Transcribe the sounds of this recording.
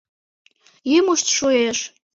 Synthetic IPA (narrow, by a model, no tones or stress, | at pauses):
jimuʃt̪ʃoeʃ